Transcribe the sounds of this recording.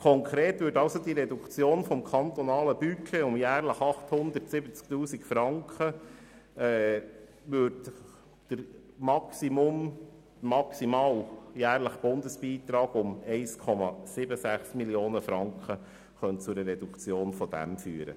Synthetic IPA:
kʰɔŋkʰɾeːt̪ʋʏːɾdɑʊsod̪iɾɛd̪ukt͡sjoːnfɔmkʰɑnt̪ɔnɑːləb̥ykʰeʊmjæːɾləχɑχthʊnd̪ətsɪbət͡sk̚t̪uːsikfɾɑŋkχə | ɛ | ʋʏɾd | d̥əɾ | mɑksimʊm | mɑksimɑːwjæːɾləχb̥ʊnd̪əsb̥iːt̪ɾɑːɡ̥ʊmɛɪskʰɔmɑ̰sɪbəsæχsmiljoːnəfɾɑŋkχə | χœnt͡sʊɾərɛdukt͡sjoːnfɔd̥̪æ̰mfyːəɾə̰

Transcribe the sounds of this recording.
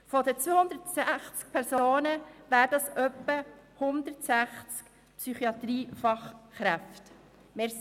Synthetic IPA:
fɔd̪ət͡sʋøːhʊnd̪əɾtsæχt͡sk̚pʰɛɾsoːnəvæːɾdɑsœpːə | hʊnd̪əɾtsæχt͡sk | psyχiɑt̪ɾiːfɑχːɾɛft | meːɾ

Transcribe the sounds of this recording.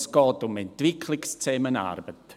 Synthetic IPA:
sɡ̥ɔːdʊmɛntvɪkʰlɪɡstʰeːməna̰rbət

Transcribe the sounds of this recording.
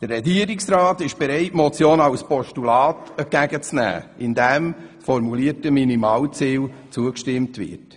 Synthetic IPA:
d̥ərrɛɡiəɾiksɾɑːtɪʃb̥ɛɾɛɪtmɔt͡sjoːnɑwspɔʃtulɑːtəɡ̥æɡət͡snæ̰ːɪndɛmsfɔɾmuliətəminimɑːlt͡siːlt͡suəkʃtɪmtvɪ̰t

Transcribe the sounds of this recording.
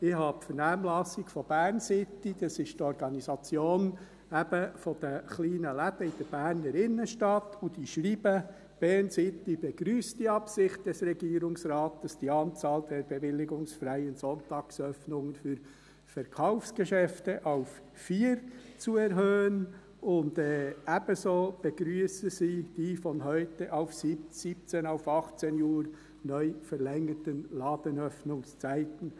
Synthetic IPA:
ɪhɑpfəɾnæːmlɑsikfɔb̥æːrnsɪt̪ːid̥̪ɑsɪʃtɔɾɡɑnisɑt͡sjoːn | æb̥əfɔd̥̪əχliːnəlæb̥əid̥əɾb̥æːɾnəɾɪnːəʃtɑt̪ʰudiʃɾiːb̥ə | b̥ɛɾnsɪt̪ːib̥ɛɡɾyːsdiɑpsɪχt̚d̥ɛsɾɛɡ̥iːɾʊŋsɾɑːtdəsd̥iɑːnt͡sɑːld̪ɛɾb̥ɛʋɪlːɪɡʊŋsfɾæjənsɔntɑːksœfnʊŋənfyːɾ | fɛɾkʰaʊfsɡ̥əʃɛftəʔaʊf | fiːɾt͡suɛɾɦøːən | ʔʊndɛːʔæbəsoːb̥əɡɾyːsəziːd̥iːfɔnɦœʏtəʔaʊfsisiːp̚t͡seːnaʊfɑχt͡seːnuːɾ | nœʏfɛʁlɛŋətənlɑːd̥ənœfnʊŋst͡saɪtən̩

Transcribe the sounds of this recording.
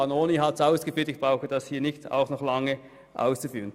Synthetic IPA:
ɑnoːniɦɑtsaʊsɡ̥əfyːɐtɪçb̥ʁaʊxəd̥ɑshiːɐnɪçta̰ʊxnɔχlɑŋə | ʔa̰ʊst͡sufyːʁən

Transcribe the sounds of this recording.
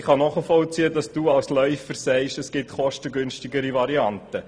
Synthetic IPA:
χɑnɔχəfɔlt͡siːədɑsd̥uːɑlslœʏfəɾsɛɪʃəsɡ̥ɪtχɔʃtəɡʏnʃtɪɡəɾivɑɾiɑntə

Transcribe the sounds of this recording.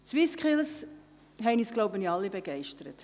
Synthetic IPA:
t͡sʋɪskχɪls | ɦɛɪniːsɡ̥loʊbəniɑlːibeɡ̥ɛɪʃtəɾət

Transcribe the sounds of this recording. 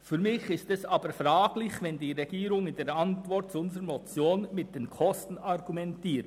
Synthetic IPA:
fyːɾmɪçɪstɛsɑːbəfɾaːɡlɪçvɛndiːʁɛɡ̥iːɾʊŋɪnd̥eːɾɑntvɔɾt̚t͡sʊnzəəmɔt͡sjoːnmɪt̚d̥eːnkʰɔstn̩ɑʁɡumɛntiːt

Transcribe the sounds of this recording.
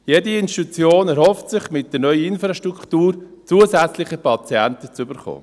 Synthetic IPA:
jediɪnʃtut͡sjoːnɛɾhɔftsɪχmɪt̚d̥ɛɾnœʏəɪnfɾɑʃtɾukχtuːɾt͡suːəsɛt͡slɪχəpʰɑt͡siɛntət͡sybəɾχo̰ː

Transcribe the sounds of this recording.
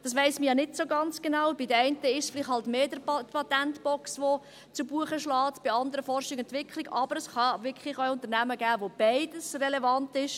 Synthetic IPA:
d̥ɑsʋɛɪsməjɑnɪtsoɡɑnt͡sɡ̥enɑwb̥idəɛɪntəɪʃsflɪχthɑltmeːdəpʰɑt̪æntb̥ɔksʋo | t͡subuəχəʃlɑːtb̥iɑnd̪əɾəfɔrʃɪkɛntʋɪkχlɪɡɑb̥əɾəsχɑʋɪɾkχlɪχœʊnt̪əɾnæməɡæːʋob̥æɪd̥əsrɛlevɑntɪʃ

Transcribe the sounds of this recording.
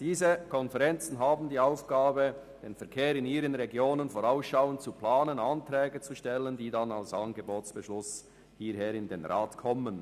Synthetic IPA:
d̥iːzəkʰɔnfɛʁɛnt͡sn̩ɦaːbn̩diːaʊfɡ̥aːbə | d̥eːnfɛɐkʰeːɾɪniːɾənʁɛɡjoːnənfoʁaʊsʃaʊənt͡suplaːnənantʁɛːɡət͡suʃtɛləndiːdanalsanɡəboːtsb̥əʃlʊs | hiːɐɦeːɾɪndeːnʁaːtkʰɔmən

